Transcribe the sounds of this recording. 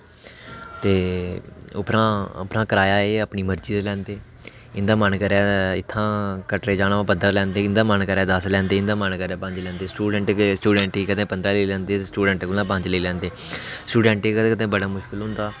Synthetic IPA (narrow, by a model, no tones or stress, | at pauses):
t̪eː | ʊ̰pɾãːəpɾãːkəɾaːjaːeːəpɳiːməɾd͡ʒiːd̪lɛ̃ːnd̪eː | ɪnd̪aːmənkəɾaːɪt̪ʰːãːkəʈɾeːd͡ʒaːɽaːʋãːpəd̪alɛ̃ːnd̪eːɪnd̪aːmənkəɾaːd̪əslɛ̃ːnd̪eːɪ̃nd̪ãːmənkəɾaːpə̃ɲd͡ʒlɛ̃ːnd̪eːsʈuːɖɛɳʈːsʈuːɖɛ̃ːɳʈiːkəd̪ẽːpənd̪ɾaːleːlɛ̃ːnd̪eːesʈuːɖɛ̃ːɳʈkʊlãːp̬ə̃ɲd͡ʒleːlɛ̃ːnd̪eːsʈuːɖɛ̃ːɳʈekəd̪ẽkəd̪ẽːbəɽaːmʊʃkɪlɦʊ̃nd̪aː